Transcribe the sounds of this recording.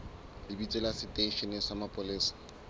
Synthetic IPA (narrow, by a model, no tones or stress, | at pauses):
lɪbit͡sʼɪlasɪtʼeʃɛnɪsamapʼʊlɪːsḁ